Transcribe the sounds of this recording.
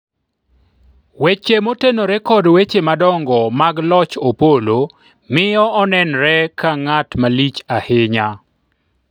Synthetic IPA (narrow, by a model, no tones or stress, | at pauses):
wet͡ʃemotenoɾɛkɔdwet͡ʃemadɔŋɡɔmaɡlɔt͡ʃopolo | mɪɔːnɛnɾɛkaŋatmalit͡ʃahɪɲa